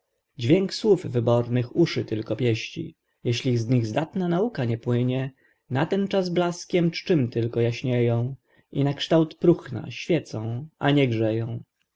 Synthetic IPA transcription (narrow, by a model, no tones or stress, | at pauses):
d͡ʑvʲjeŋkswuvvɘbɔɾnɘxuʂɘt̪ɘlkɔpʲjɛɕt͡ɕḭ | jɛɕlʲizɲiɣzd̪at̪nanaukaɲɛpwɘɲɛ | nat̪ɛnt͡ʂazblaskʲɛmt͡ʂt͡ʂɘmt̪ɘlkɔjaɕɲejɔ̃w̃ | ʔḭnakʂt̪awt̪pɾuxna̰ɕfʲjɛt̪sɔ̃w̃ʔa̰ɲɛɡʐɛjɔ̃w̃